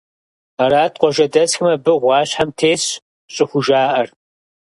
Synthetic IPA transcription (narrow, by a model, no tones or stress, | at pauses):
aɾaːtqʷɔʒɐdɐsxɨmɐbɨʁʷɑːɕħamtʰeːɕ | ɕʼɪxʷʊʒaːʔɐr